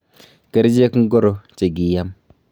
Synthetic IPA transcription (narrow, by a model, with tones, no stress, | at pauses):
ke˦ɾd͡ʒe˦kŋ̩˦ɡo˦ɾo˨t͡ʃe˨ɡi˨ja˦m